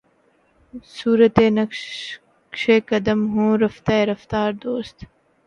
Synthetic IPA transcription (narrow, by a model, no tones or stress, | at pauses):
suːɾət̪eːnɐk | kʃeːkɐd̪əmɦõːɾɐft̪aeɾɐft̪aːɾd̪oːst̪